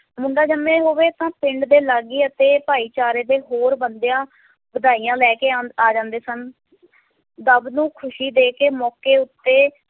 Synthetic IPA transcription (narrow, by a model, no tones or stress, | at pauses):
mʊɳɖaːd͡ʒəmːẽːɦoːʋeːt̪ãːpɪ̃ɳɖd̪eːlaɡiːət̪eːpaːiːt͡ʃaːɾeːd̪eːɦoːɾbənd̪ejãː | bəd̪aːiːãːlɛːkeːaːd͡ʒãːnd̪eːsən | d̪əbnũːkʰʊʃiːd̪eːkeːmɔːkeːʊt̪ːeː